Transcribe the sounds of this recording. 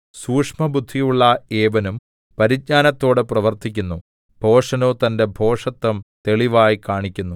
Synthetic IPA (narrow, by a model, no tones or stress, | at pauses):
suːkʂmɐbʱud̪ʱːijuɭːɐeːbɐnum | pɐɾit̚ɲaːnɐt̪ːo̞ːɽeprɐʋɐrt̪ikʲːunːu | b̥ʱo̞ːʂɐno̞ːt̪ɐnde̞bʱo̞ːʂɐt̪ːɐmt̪e̞ɭiʋaːjikaːɳikʲːunːu